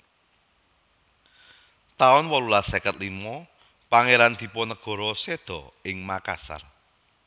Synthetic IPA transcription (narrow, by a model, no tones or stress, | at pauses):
t̪aʊnwɔlulasekət̪̚limɔ | paŋeɾand̪̥i̤pɔnəɡ̥ɔ̤ɾɔsed̪̥ɔ̤ɪŋmaka̰sa̰r